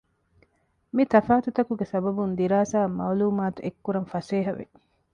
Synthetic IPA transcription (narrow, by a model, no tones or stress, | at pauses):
mit̪ɐfaːt̪ut̪ɐkuɡesɐbɐbund̪iɾaːsaːmɐ̰ːluːmaːt̪uʔekːuɾɐnfɐseːɦɐʋḛ